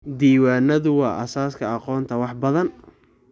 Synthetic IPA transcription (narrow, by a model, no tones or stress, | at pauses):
d̪iːwaːnɐðʊwɑːʔɐ̰saːskʰɐɑqɔːnt̪ʰɐwɑħbɐðɐn